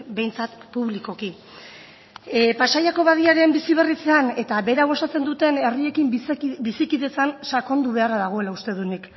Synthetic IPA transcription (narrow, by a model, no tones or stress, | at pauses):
be̞jnt͡sat̪puβliko̞ki | pasajako̞βaðiaɾe̞mbisiβ̞e̞rit͡se̞ane̞t̪aβe̞ɾaβ̞o̞sat͡se̞nd̪ut̪e̞ne̞rie̞kimbisikiðe̞t͡sansako̞nd̪uβe̞araðaɣ̞o̞e̞laust̪e̞ðunik